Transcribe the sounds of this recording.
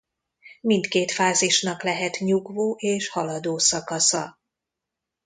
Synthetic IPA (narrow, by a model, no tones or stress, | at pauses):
mint̪keːt̪faːziʃnɒklɛɦɛt̪ɲuɡvoːʔeːʃhɒlɒd̪oːsɒkɒsɒ